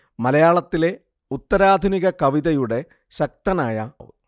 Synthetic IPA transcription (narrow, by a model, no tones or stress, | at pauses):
mɐlɐjaːɭɐt̪ːile̞ | ut̪ːɐɾaːd̪ʱuniɣɐkɐʋiðɐjuɽe̞ | ɕɐk̚t̪ɐnaːjɐ̰ʋ̰